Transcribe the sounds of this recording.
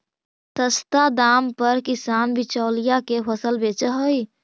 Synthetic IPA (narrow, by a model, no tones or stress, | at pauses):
t̪əst̪ad̪ampəɾkisanbit͡ʃaːlijakepʰəsəlbet͡ʃəɦəj